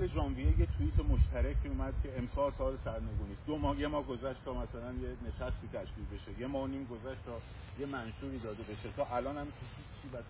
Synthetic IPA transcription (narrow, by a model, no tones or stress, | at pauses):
bed͡ʒɒːmbijejet̪ʰuiːt̪ʰemoʃt̪ʰæɾækcʰiːumæd̪̥̚cʰe̞emsɒːlsɒːlesæɾne̞ɡuːniːsd̪omɒːhjemɒːhɡo̞zæʃt̪t̪ʰɒːmæsælænjene̞ʃæst̪iːt̪ʰæʃkiːlbe̞ʃeje̞mɒːniːmɡozæʃt̪ʰɒː | je̞mænʃuːɾiːd̪ɒːd̪ebe̞ʃet̪ʰɒːʔælɒːnæmk̪ʰeit͡ʃʰːiːbæs